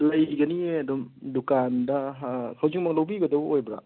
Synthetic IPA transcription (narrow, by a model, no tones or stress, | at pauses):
lajɡɐnieɐdɔmdukandɐɦkʰawziŋmaŋlawbibɐdɐbojbɾa̰